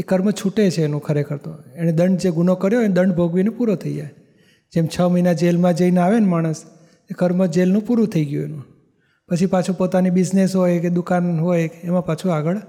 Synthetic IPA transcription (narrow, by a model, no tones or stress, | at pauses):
ekəɾmət͡ʃʰuʈet͡ʃʰeːnũkʰəɾekʰəɾt̪o̰eñed̪əɳɖd͡ʒeɡunokəɾjoɦend̪əɳɖbʱoɡʋinepuɾot̪ʰəid͡ʒa̰j | d͡ʒemt͡ʃʰəməinad͡ʒelmãd͡ʒəinaʋenmaɽ̃əs | ekəɾməd͡ʒelnũpuɾũt̪ʰəiɡjuenũ | pət͡ʃʰipat͡ʃʰupot̪anibɪd͡ʒnesɦojked̪ukanɦojkemãpat͡ʃʰuaɡəɭ